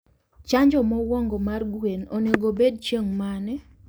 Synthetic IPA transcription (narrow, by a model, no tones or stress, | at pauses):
t͡ʃaɲd͡ʒɔmɔwɔŋɡɔmarɡwenoneɡobed̚t͡ʃeŋmanɛ